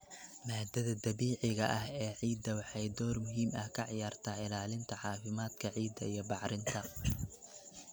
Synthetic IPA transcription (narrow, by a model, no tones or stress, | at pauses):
maːd̪ɐðɐd̪ɐβiːʕɪɣɐʔɐɦɛːʕiːd̪ɐwɑħɑjd̪ɔːrmʊɦiːmɐhkʰɐʕjaːrt̪ʰaːɪlaːlɪnt̪ʰɐħɑːfɪmaːd̪kʰɐʕiːd̪ɐijɞbɑʕɾɪnt̪ʰɐ